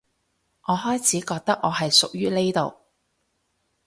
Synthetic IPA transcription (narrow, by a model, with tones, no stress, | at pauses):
ŋʔɔː˨˧ɦɔː˥jt͡sʰiː˨˥kɔː˧k̚t̪ɐ˥k̚ŋɔː˨˧ɦɐ˨jsʊ˨k̚jyː˥le˥jt̪o̰˨w